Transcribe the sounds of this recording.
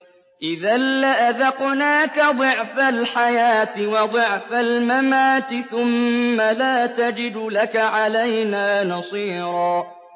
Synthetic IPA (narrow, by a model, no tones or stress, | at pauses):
ʔɪðalːaʔaðɑqnaːkad̪ˤɨʕfalħajaːt̪ɪwɑd̪ˤʊʕfalmamaːt̪ɪθʊmːalaːt̪ad͡ʒɪd̪lakaʕalajnaːnɑsˤiːɾˤɑː